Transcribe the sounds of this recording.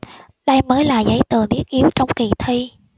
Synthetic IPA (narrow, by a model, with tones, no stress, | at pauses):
ɗa˧jməː˨˦jlaː˨˩zə̰˨˦jt̪ɨ˨˩əɗ̪i˦˥ək̚ʔi˨˦əwt͡ɕɔ˧wŋ͡mki˧˩t̪ʰi˧